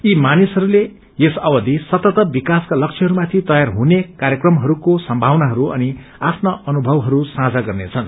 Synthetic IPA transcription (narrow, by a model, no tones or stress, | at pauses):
imanisɦʌɾule | jesʌbʌd̪isʌt̪ʌt̪ʌbikaskalʌk̚t͡sʰeɦʌɾumat̪ʰit̪ʌjarɦunekaɾjʌkrʌmɦʌɾukosʌmbʱawnaɦʌɾuʔʌ̰ni | apʰnʌʌnubʱʌwɦʌɾusãd͡zaɡʌrnḛt͡sʰʌn